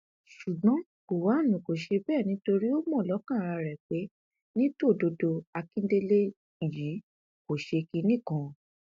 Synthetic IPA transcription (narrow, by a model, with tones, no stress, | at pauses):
ʃu˨ɡɔ̃˨˦ | ko˨wa˨˦˨nũ˨ko˨ʃe˧bɛː˦˨nĩ˨˦to˧ɾi˦o˦mɔ̃˦˨lɔ˨˦kã˦˨ɾ̃ã˧ɾɛ˨k͡pe˨˦ | nĩ˦to˦˨do˧do˧a˧kĩ˦de˦le˦ | i˨jiː˨˦ | ko˨ʃe˧ki˧˦nĩ˦˨˦kɔ̃˧˨